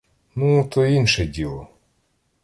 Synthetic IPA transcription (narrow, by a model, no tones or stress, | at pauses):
nut̪ɔinʃɛdʲilˠɔ